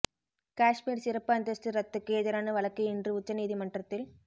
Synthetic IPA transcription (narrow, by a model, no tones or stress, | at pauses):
kaːʂmiːɾsɪɾɐpːɯɐnd̪ɐsʈɯɾɐt̪ːɯkːeːðɐɾaːnɐʋɐɭɐkːɐɪɪndrɯʊt͡ʃːɐniːðimɐɳɖrɐt̪ːɪl